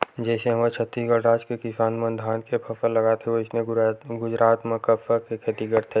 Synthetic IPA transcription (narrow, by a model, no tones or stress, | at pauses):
d͡ʒɛːseɦɐmat͡ʃʰət̪ɾiɡəɾaːd͡ʒkekɪsaːnmə̃nd̪ʱaːnkepʰɐsəllɐɡat̪ʰeoɪsneɡʊd͡ʒɾaːt̪mẽkɐpsəkekʰɐt̪iɡəɾt̪ʰe